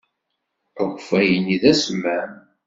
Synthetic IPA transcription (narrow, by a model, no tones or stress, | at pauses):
əxʷfæjəniðæsmːæm